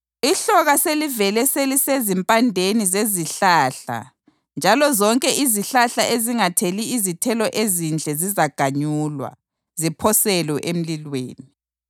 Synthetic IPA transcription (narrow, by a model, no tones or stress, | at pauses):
iɬɔɣaselivɛlɛselisezimpʼandʱenizeziɬaːɬa̰ | nd͡ʒʱalɔzɔŋkʼɛʔiziɬaɬaʔeziŋatʰeliːzitʰɛlɔʔezind͡ɮʱɛzizaɡ̥ʱaɲuːlwa̰ | zipʰɔsɛlɔʔem̩lilwḛːni